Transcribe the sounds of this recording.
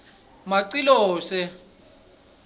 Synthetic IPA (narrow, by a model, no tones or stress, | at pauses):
maǀilɔːsɛ